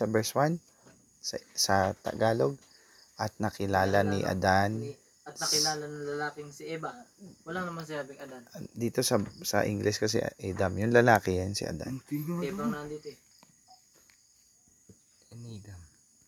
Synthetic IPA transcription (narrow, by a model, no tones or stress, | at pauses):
sɐbɛɹswan | sɐsɐt̪ɐ̰ɡaːlo̞ɡ̚ | ʔɐt̪̚nɐkɪlaːlanɪʔɐ̰d̪an | ɐt̪nɐkɪlaːlɐnɐŋlɐlaːkɪŋsɪʔɛːbɐwɐlaŋnɐmaŋs̬ɐjaːbɪŋɐd̪and̪iːt̪o̞sɐsɐ̰ʔɪŋɡlɛskɐs̬ɛ̰ʔʔɛd̪amjʊnlɐlaːkɛjansɪ̰ʔɐ̰d̪a̰nnɛbɐŋnɐnd̪it̪oɛ | nd̪ɐm